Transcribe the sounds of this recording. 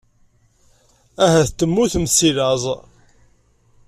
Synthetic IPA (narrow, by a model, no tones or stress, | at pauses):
æɦæθt̪ːəmːuθməsilɑzˤ